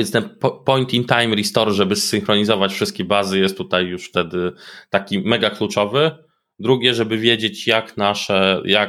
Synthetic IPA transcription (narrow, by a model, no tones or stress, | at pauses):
ɛnst̪ɛnppɔjnt̪int̪ajmɾist̪ɔɾʐɛbɘsːɘŋxɾɔɲizɔvat͡ɕfʂɘst̪kʲɛbazɘjɛst̪ːut̪ajːuʂft̪ɛd̪ɘt̪akʲimɛɡaklut͡ʂɔvɘ | d̪ɾuɡʲɛʐɛbɘvʲjed͡ʑet͡ɕjaknaʂɛjak